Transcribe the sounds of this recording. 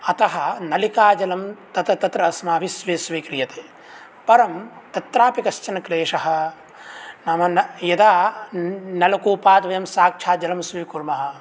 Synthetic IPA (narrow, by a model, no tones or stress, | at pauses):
ɐt̪ɐɦɐnɐlikaːd͡ʒɐlɐmt̪ɐt̪ɐt̪ɐt̪ɾɐɐsmaːbʱisʋiːsʋikɾijɐt̪eː | pɐɾɐmt̪ɐt̪ɾaːpikɐst͡ʃɐnɐkleːʂɐɦɐ̆ | nɐmɐnɐjɐd̪aː | nɐlɐkuːpaːt̪ʋɐjɐmsaːk̚t͡ʃʰaːd͡ʒɐlɐmsʋikuɾmɐɦɐ̆